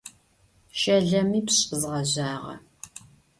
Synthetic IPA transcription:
ʃɐɮɐmiːpɕʼɨzʁɐʑaːʁɐ̰

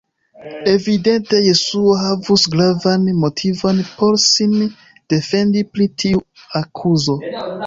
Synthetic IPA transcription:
e̞vide̞nte̞je̞suoɦavusɡɾavanmo̞tʰivonpo̞ɾsin | d̥e̞fe̞ndipɾitʰiuakʰuzo̞

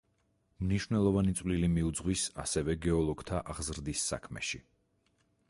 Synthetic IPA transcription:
mniʃwvnɛlˠɔvanit̪sʼvlilimiud̪zʁwisa̰sɛvɛɡɛɔlˠɔɡ̥t̪ʰaʔaʁzɾd̪isːa̰kʰmɛ̰ʃi

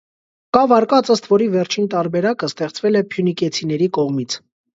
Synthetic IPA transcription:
kɑvɑɾkɑt͡səst̪vɔɾivɛɾt͡ʃʰint̪ɑɾbɛɾɑkəst̪ɛχt͡svɛlɛpʰjunikɛt͡sʰinɛɾikɔʁmit͡sʰ

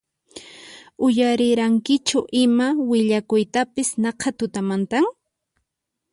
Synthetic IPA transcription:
ʊjaɾɪɾaŋkɪt͡ʃʊʔɪmawɪʎakʊjt̪apɪsnɑqʰɑt̪ʊt̪amant̪aŋ

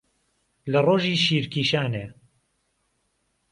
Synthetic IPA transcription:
lɐroːʒiːʃiːɾkiːʃaːneː

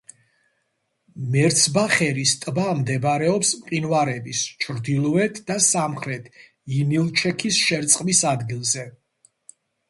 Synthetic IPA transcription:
mɛɾt̪sʰbaχɛɾist̪ʼbamd̪ɛbɾɛɔpsmqʼinvaɾɛbist͡ʃʰɾd̪ilˠɔɛt̪ʰd̪asamχɾɛt̪ʰ | inilˠt͡ʃʰɛkʰisʃɛɾt̪sʼqʼmisad̪ɡilˠzɛ

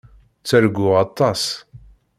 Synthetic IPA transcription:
t͡sːəɾɡʷːʊʁɑt̪ˤːɑs

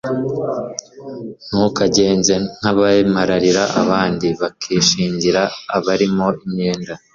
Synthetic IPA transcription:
n̥ukaɟe̞ːnze̞n̥haβaemaɾaɾiɾaʔa̰βaːndiβakʰiːʃiːɲɟiɾaːβaɾimo̞imɲe̞ːnda

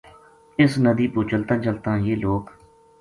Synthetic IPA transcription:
ɪsnəd̪iːpuːt͡ʃəlt̪ə̃ːt͡ʃəlt̪ãːjeːloːk

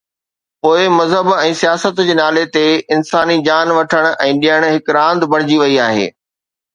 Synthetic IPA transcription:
poːɪmɐzɦəbɛ̃ːsijaːsət̪d͡ʑeːnaːlet̪eɪnsaːnid͡ʑaːnʋɐʈʰəɽ̃ʔɛ̃ːɗijəɽ̃ɦɪkɾãːnd̪bɐɽ̤̃ɪd͡ʑiʋɐiaːɦḛː

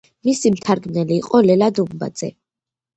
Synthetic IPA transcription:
misimt̪ʰaɾɡmnɛliːqʼɔlɛlad̪umba̰d̪z̥ɛ̰

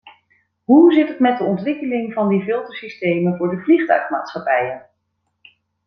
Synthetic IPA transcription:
ɦuzɪtɦətmɛt̚dəɔntʋɪkəlɪŋvɑndivɪlˠtəsistejmənvʊːɹdəvliχtœ̰ɥχma̰ːtsχɑpɛjən

